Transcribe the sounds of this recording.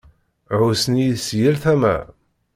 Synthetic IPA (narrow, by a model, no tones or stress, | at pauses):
ʕusənisjəlθæmæ̰